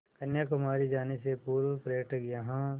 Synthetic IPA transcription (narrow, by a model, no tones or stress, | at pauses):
kɐnjakʊmaːɾid͡ʒaːnesepuːɾʋpɾɐjək̚ʈʰkjaɦã